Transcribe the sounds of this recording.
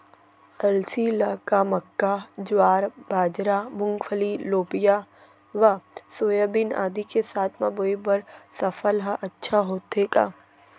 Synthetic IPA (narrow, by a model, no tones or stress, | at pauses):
ɐlsilaːkamɐkːad͡ʒwaːɾbaːd͡ʒɾamʊ̃ŋɡfʰəliloːpɪja | ʋɐsoːjabɪna̰ːd̪ikesaːt̪ʰmaboːibəɾsɐfəlɦəʔɐtːʃʰaɦoːt̪eːka̰ː